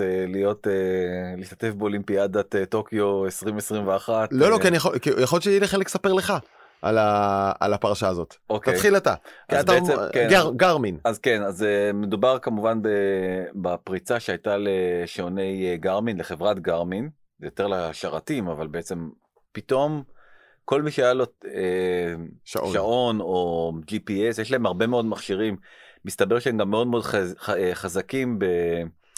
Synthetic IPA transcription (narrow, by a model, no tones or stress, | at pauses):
elijo̞teliʃt̪ḁte̞fbeo̞limpiadateto̞kjo̞esʁimesʁimveaχat̪lolokianijaχokijaχoltt͡ʃejɛliχeleksapeʁleχa | ʔa̰laa̰lapaʁaʃaːzo̞t̪okt̪ajχilat̪akt̪aeet͡sekenɡɡaʁminazkenazeme̞dubaʁkamuvanbebapʁit͡saʃeajtaleʃeone̞jɡaʁminleχe̞vʁatɡaʁmin | zejote̞ʁlaʃaʁatimavalbe̞et͡se̞m | pito̞m | ko̞lmiʃeajalo̞e | ʃʃao̞no̞d͡ʒipiesjeʃ̬laemaʁbe̞me̞o̞dmaχʃiʁimːistabe̞ʁʃeemɡamːeo̞dmedχazakimbe